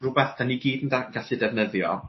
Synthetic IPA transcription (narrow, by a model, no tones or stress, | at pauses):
rʊbɛθd̥aniɡiːdndaɡaɬɨdɛvnəðjɔ̰